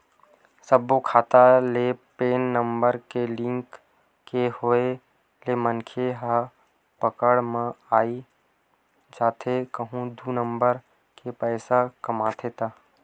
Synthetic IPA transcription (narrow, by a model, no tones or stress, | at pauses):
səbokʰaːt̪alepeːnːəmbəɾkelɪ̃ŋkː | ehoe | lemənkʰeɦa | pəkəɽmə̃aːi | d͡ʒaːt̪ʰekəɦũd̪uːnəmbəɾ | kepɛːsakəmaːt̪ʰet̪aː